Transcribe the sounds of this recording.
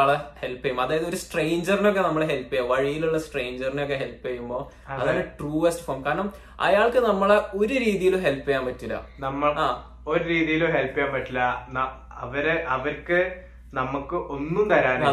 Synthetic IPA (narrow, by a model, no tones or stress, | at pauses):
ɭehe̞lpːɐjumːɐðaːjɐðoɾusʈrejɲd͡ʑɐrinok̬ːe̞nɐmːɐɭeɦelpːijaːʋɐɻijiluɭːɐsʈrejɲd͡ʑɐrinokːeɦe̞lpːijɐjumbo̞ː | ɐðaːnːʈruːɐsʈɨ̥foːmkaːɾɐɳɐm | ɐ̰jaːɭkɨnɐmːɐɭeo̞ɾuɾiːðijilumɦe̞lpːɐjaːmpɐtːilːɐ̰nɐmːɐɭaː | o̞ɾuɾiːðijiloɦelpːijaːmpɐtːilːɐnɐ | ɐʋɐɾʔɐʋɐɾkɨ | nɐmukːɨʔo̞nːumt̪ɐɾaːnɐ